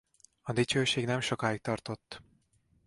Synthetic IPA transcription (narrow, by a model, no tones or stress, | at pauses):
ɒd̪it͡ʃøːʃeːɡnɛmʃo̞kaːik̚t̪ɒrt̪o̞t̪ː